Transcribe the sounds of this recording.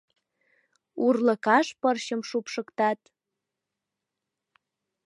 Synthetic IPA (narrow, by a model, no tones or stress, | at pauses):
urlə̆kɑʃpərɕəmʃupʃə̆kt̪ɑt̪